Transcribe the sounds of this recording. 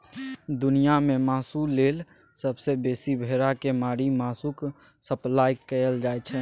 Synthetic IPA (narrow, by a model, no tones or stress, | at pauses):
d̪unijamemaːsulel | səbsebesibʱeɾakemaːɾimaːsuk | səplajkəjəld͡ʒajt͡ʃʰɛ